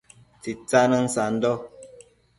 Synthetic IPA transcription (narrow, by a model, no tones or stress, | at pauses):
t͡sit͡sanən̩san̩dɔ